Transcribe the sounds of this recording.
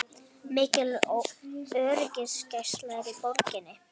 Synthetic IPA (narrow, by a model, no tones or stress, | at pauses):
mɪːcɪl | œːɾcɪnscajst̪laɣɾɪpoɾcɪnːɪ